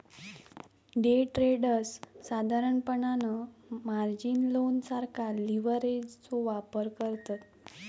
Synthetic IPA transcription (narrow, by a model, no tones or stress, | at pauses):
ɖeʈɾeɽəsːad̪ʱaɾəɳpəɳanəmaɾd͡ʑinlonsaɾkʰaliʋəɾed͡ʑt͡soʋapəɾkəɾt̪at̪